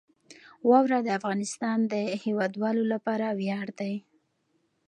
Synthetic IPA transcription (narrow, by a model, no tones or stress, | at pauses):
wɑwɾad̪əafɣɑnɪst̪ɑnd̪əhewɑd̪wɑlolapɑɾawjɑɽd̪aj